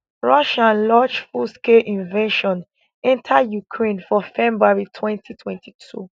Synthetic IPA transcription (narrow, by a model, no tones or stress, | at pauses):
ɹɔʃãnlad͡ʒfuskeʔĩnveʃɔ̃n | ɛ̃ntʰajukʰɹẽnfɔfɛ̃mbɹaɹitʰwɛ̃ntʰitʰwɛ̃ntitʰṵ